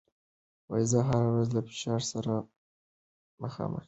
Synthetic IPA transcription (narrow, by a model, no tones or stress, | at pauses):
wajzɑɦaɾawɾazlafɪ̥ʃɑɾsaɾa | maxɑ̰mə̰xi̥